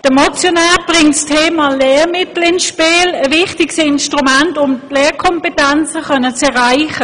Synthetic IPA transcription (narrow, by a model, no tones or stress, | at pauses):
d̥əmɔt͡sjonaːb̥ʁɪŋtstʰeːmɑːleːʁmɪtl̩ɪnsʃpiːləvɪχtɪɡsɪnʃtʁumantʊmtleːʁkʰɔmpetɛnt͡səχœnət͡sɛʁaɪχə